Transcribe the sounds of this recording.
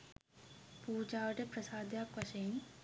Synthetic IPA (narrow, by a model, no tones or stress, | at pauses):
puːd͡ʒaːʋɐʈepɾɐsaːd̪ʱjaːkʋɐʃejn